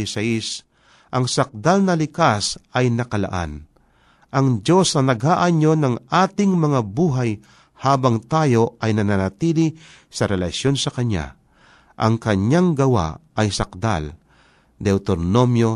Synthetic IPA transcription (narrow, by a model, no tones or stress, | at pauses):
ɪsais | ʔɐŋsɐk̚d̪alnɐlɪkasʔɐjnɐkɐla̰ʔa̰n | ʔɐŋd͡ʒo̞snɐnɐɡhaʔaɲo̞nɐŋʔaːt̪ɪŋmɐŋabuːɦaj | haːbɐŋt̪aːjo̞ʔɐjnɐnanat̪iːlɪ | sɐɾɛlɐʃjo̞nsɐkɐɲa̰ | ʔɐ̰ŋkɐɲjaŋɡɐwa̰ɐjsɐk̚d̪a̰l | d̪ɛwt̪oɾnomjo